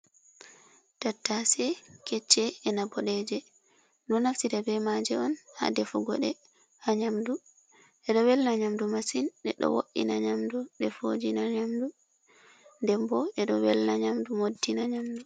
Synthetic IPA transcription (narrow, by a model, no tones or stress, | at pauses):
tatːasɛkɛt͡ʃːɛɛnabɔɗɛd͡ʒɛ | nɔnaftitabɛmad͡ʒɛɔnha̰dɛfuɡɔ̰ɗɛ | haɲamdu | ʔɛɗɔwɛlnaɲamdumasinɗɛɗɔ̰wo̰ɗːḭnaɲamduɗɛfo̰d͡ʒinaɲamdu | ndɛmbɔɛɗɔwɛlnaɲamdumodːinaɲamdu